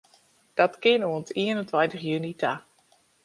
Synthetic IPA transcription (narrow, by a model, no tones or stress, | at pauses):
d̥ɔtkɪənuəntiənəntwajntəχjynitʰa